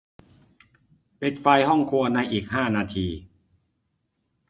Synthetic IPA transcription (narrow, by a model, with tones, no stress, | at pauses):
pe˨˩t̪̚fa˧jhɔ˥˩ŋkʰu˧ɐna˧jʔiː˨˩k̚haː˥˩naː˧t̪ʰiː˧